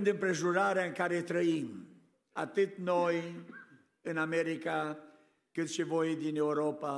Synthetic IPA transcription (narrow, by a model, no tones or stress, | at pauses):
nd̪ɨmpɾeʒuɾaɾaŋkaɾet̪ɾəim | a̰t̪ɨt̪noj | ɨnamɛɾika | kɨt̪ʃivojd̪inewɾopa